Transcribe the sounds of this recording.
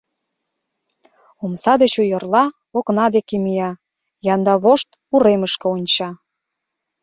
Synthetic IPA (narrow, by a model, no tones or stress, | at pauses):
umsɑd̪ə̆t͡ɕujɤ̆rlɑ | oknɑd̪ekemijɑ | jɑnd̪ɑβoʃt̪ | uɾeməʃkə̆onʲt͡ɕɑ